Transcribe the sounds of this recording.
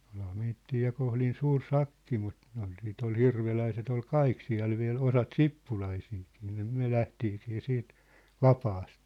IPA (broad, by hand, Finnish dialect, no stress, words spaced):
olhɑ meitːiː jɑ kohlin suːr sɑkːi mut ne ol siːt ol hirʋelæiset ol kɑik siæ̝l ʋiæ̝l osɑt sipːulɑisiːkiː niː myæ̝ læhtiːkiː siːt ʋɑpɑːst